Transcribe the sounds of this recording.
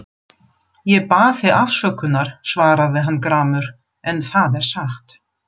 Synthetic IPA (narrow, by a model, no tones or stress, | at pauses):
jɛpaːθɪafsœːkʏnːaɾ̥svaːɾaðɪɦanːkɾaːmʏɾ | ɛnθaðɛɾ̥saxt̪